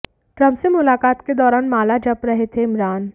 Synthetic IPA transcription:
kɾɐmsemʊlaːkaːt̪ked̪ɔːɾaːnmaːlad͡ʒɐpɾɐɦet̪ʰeɪmɾaːn

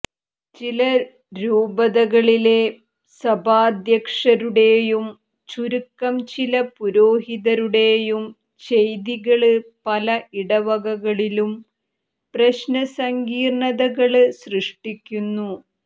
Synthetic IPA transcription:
t͡ɕilɐ | ɾuːbɐðɐɣɐɭile̞ | sɐbʱaːd̪jɐkʂɐɾuɽe̞ːjum | t͡ɕuɾukːɐmt͡ɕilɐpuɾoːɦiðɐɾuɽe̞ːjum | t͡ɕejðiɣɐɭɨpɐlɐʔiɽɐʋɐɣɐɣɐɭilum | prɐɕnɐsɐŋɡiːrɳɐðɐɣɐɭɨsrɨʂʈikʲːunːu

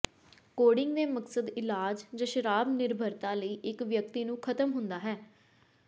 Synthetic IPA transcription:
koːɖɪŋɡd̪eːməksəd̪ɪlaːd͡ʒd͡ʒãːʃəɾaːbnɪɾbʱəɾt̪ãːləiːʔɪkʋjək̚t̪iːnũːkʰət̪əmɦʊnd̪aːɦɛː

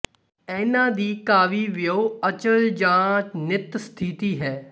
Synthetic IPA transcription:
ɛːnãːd̪iːkaːʋiːʋɪjoːət͡ʃəld͡ʒãːnɪt̪st̪ʰit̪iːɦɛː

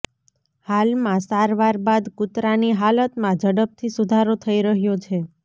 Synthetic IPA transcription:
halmãsaɾʋaɾbad̪kut̪ɾaniɦalət̪mãd͡ʒəɽəp̚t̪ʰisud̪ʱaɾot̪ʰəiɾəɦjot͡ʃʰe

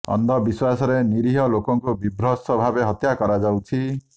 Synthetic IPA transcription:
ɔ̰nd̪ʱɔbiswasɔɾeniɾiɦɔlokɔŋkubibɾɔsɔbʱabeɦɔt̪jakɔɾad͡ʒawt͡ʃʰi

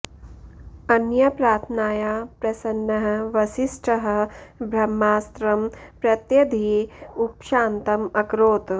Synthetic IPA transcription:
ɐnjɐpɾaːt̪ʰnaːjaːpɾɐsɐnːɐɦɐ̆ʋɐʃiʂʈʰɐɦɐ̆bʱɾɐmːaːst̪ɾɐmpɾɐt̪jɐd̪ʱiːupʃaːnt̪ɐmɐkɾoːt̪

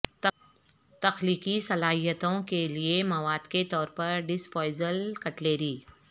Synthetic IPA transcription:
t̪ɐxliːkisɐlaːɦijət̪õkeliemɐʋaːd̪ket̪ɔːɾpɐɾɖɪspɔːɪzəlkɐʈleːɾiː

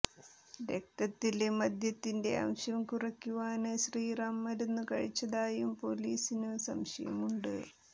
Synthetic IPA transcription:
ɾek̚t̪ʰːɐt̪ːilemɐd̪jɐt̪ːinde̞̰ɐ̰mɕjɐmkurɐkʲːuʋaːnɨɕriːrɐmːɐɾunːukɐɻit͡ɕːɐðaːjumpo̞liːsinɨsɐ̰mɕɐjɐ̰muɳɖɨ̰

